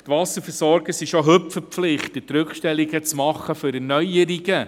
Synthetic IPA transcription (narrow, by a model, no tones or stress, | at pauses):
tʋɑsəɾfəɾsɔɾɡ̥əsɪʃoɦɵpfəpflɪχtətɾʉkʃtɛliɡət͡smɑχːəføɾɛnœʏjəɾiɡə